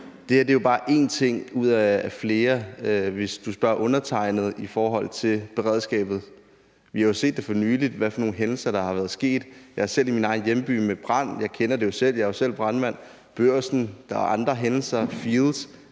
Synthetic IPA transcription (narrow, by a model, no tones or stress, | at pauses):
d̥e̝hæɐd̥e̝jo̝b̥ɑ̈ːʔe̝̰ːnt͡sʰe̝ŋ̰uð̰ˠæːfle̝ːɐʋe̝sd̥usb̥ɶɐ̰ʔɔ̽nɐt͡sʰɑ̈ɪ̰nð̞̩ˠifɒːɦɒ̽l̰t͡sʰe̝lb̥e̝ʁɛ̰ːð̰ˠsɡ̥ɛ̰ːb̥ð̞̩ˠ | ʋihɑ̈jo̝se̝̰ːd̥ːe̝fɒ̽nyːlid̥ʋæfɒ̽no̝ːn̩ɦenl̩sɐɾ̥ɑ̈hɑ̈ʋæɐð̞ˠsɡ̥e̝̰ːd̥jɑ̈ɪhæsel̰iminɑ̈ɪn̩jemb̥y̰ːmeb̥ʁɑn̰jɑ̈ɪkʰenɐde̝jo̝sel̰jɑɐjo̝sel̰b̥ʁɑ̈nʋæn̰ | b̥øɐ̰sn̩d̥ɑɑ̈nd̥ʁɐɦenl̩sɐfiðlˠs